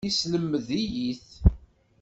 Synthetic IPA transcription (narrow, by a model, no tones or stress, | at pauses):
isləmːəðijiθ